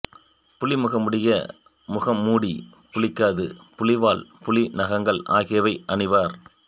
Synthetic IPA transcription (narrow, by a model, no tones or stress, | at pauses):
pʊlɪmʊɣɐmʊɽɪjɐ | mʊɣɐmːuːɽi | pʊlɪkːaːðɯpʊlɪʋaːlpʊlɪnɐɣɐŋɡɐɭʔaːɣɪjɐʋɐɪʔɐɳɯʋaːɾ